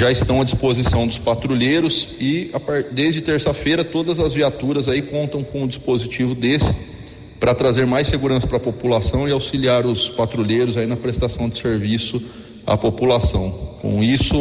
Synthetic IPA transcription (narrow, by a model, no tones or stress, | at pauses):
ʒaɪst̪ɐ̃w̃ɐd͡ʒispozisɐ̃w̃d̪ʊspat̪ɾulejɾʊsɪapad̪ejzd͡ʒɪt̪eɾsɐfejɾɐt̪od̪ɐzɐzviat̪uɾɐzaikõnt̪ɐ̃w̃kõʊd͡ʒispozit͡ʃivʊd̪esɪ̥ | pɾɐt̪ɾazeɾmajseɡuɾɐ̃sɐ̥pɾɐpopulasɐ̃w̃ɪawsiliaɾʊspat̪ɾulejɾʊzainɐpɾest̪asɐ̃w̃d͡ʒɪseɾvisʊ | ɐ̰populasɐ̃w̃kõ̰isʊ